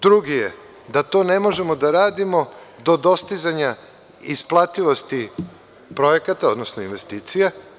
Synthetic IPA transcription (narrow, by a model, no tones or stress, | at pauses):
d̪ɾuɡije | d̪at̪o̞ːne̞mo̞ʒe̞mod̪aɾaːd̪imo̞d̪o̞d̪o̞st̪izaɲa | isplˠat̪iʋo̞st̪i | pɾo̞jekat̪ao̞d̪nosnoinʋe̞st̪iːt̪sija